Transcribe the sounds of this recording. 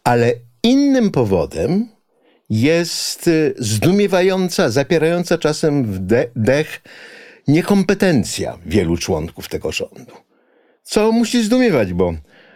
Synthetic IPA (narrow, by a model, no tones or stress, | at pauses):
alɛ | inːɘmpɔvɔ̰d̪ɛm | jɛst̪zd̪umʲjɛvajɔnt̪sazapʲjɛɾajɔnt̪sat͡ʂasɛmvɛd̪ɛx | ɲɛkɔmpɛt̪ɛnt̪sʲja̰vʲjɛlut͡ʂwɔ̰ŋkuft̪ɛɡɔʐɔ̰nd̪u | t̪sɔmuɕizd̪umʲjɛvad͡ʑbɔ